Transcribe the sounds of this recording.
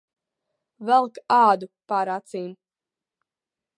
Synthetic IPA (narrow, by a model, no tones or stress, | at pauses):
vɛlˠkaːd̪upaːɾat̪siːm